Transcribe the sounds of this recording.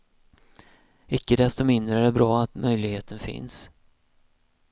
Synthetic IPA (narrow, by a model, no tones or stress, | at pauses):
ɪkːəd̪ɛst̪ɔmɪnd̪ɾəɛdɛbɾɑːat̪mœjlɪɡheːt̪ʰənfɪ̰ns